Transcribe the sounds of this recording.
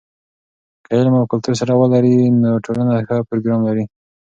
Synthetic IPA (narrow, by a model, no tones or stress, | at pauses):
kajelmawkalt̪uɾs̬aɾawəlaɾinoʈʰolanaxapɾoɡɾɑmlaɾi